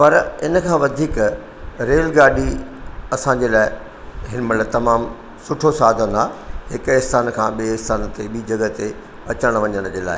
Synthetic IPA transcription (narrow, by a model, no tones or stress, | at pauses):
pɐɾɪnə̆kʰãːʋɐd̪ʱiːk | ɾeːlɡaːɖiɐsãːɲd͡ʑeːlaːɪ | ɦɪnmɐt̪lɐbt̪ɐmaːm | sʊʈʰosaːd̪ʱə̃naːɦɪkɪɦst̪aːnkʰãːɓiɪst̪aːnt̪eɓiːd͡ʑɐɡət̪e | ɐt͡ɕəɽ̃ʋɐɲəɽ̃d͡ʑeːla̰ːɪ